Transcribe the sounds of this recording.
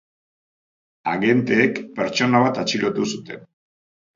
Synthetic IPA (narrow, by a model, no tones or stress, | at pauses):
aɣe̞nt̪eːkpe̞ɾt͡ʃo̞naβ̞at̪at͡ʃilot̪usut̪e̞n